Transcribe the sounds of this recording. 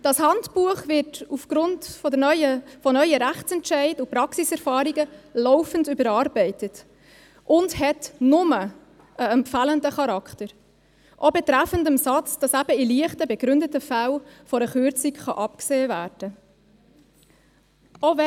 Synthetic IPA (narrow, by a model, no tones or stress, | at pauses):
d̥ɑshɑntpuəχvɪtufɡ̥ɾʊntfɔdənœʏəfɔnœʏəɾæχt͡sɛntʃɛɪdupɾɑksisɛɾfɑːɾiɡəlɔʊfəndybəɾɑːɾbɛɪtət | ʔʊndhɛtnʊmə | əɛmpfæləndəχɑɾɑkχtəɾ | ʔobɛtɾæfəndəmsɑt͡sd̥ɑsæb̥əiliəχtəbɛɡ̥ɾʏndətəfælfɔɾəχʏɾt͡sikχɑʔɑp̚kseːvæːɾd̥ə | ʔovɛ